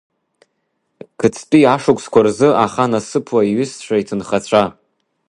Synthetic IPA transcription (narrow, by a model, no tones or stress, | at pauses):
kʰɨt͡sʰpʼiaʂʊkʷʰʼskʷʰarzɨaχanasɨpʰwaiɥʏsʂʷʰaitʰɨnχat͡ɕʷʰa